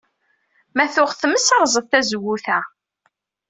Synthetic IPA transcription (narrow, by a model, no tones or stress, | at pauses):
mæθʊʁθəməsɑɾˤzˤəðθæzəwːuθæ